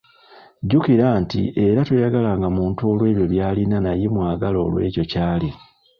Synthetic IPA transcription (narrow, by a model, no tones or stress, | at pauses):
ɟukiɾantḭʔe̞ɾatwejaɡalaŋɡamuːntuo̞lwe̞ːβjo̞βjaːlinanajimwaːɡalo̞ːlwe̞̰ːco̞caːli